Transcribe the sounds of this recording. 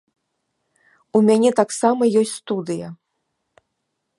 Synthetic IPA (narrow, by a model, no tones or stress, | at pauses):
umʲanʲɛt̪aksamɐjɔsʲtʲst̪ud̪ɨjɐ